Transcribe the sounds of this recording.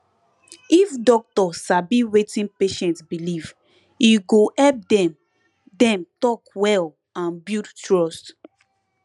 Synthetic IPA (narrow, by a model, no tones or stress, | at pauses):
ifdɔk̚tɔsabiwetĩnpeʃɛ̃ntsbiliv | iɡohɛlp̚dɛm | dɛ̃mtɔkwɛl | ãnbidtɹɔst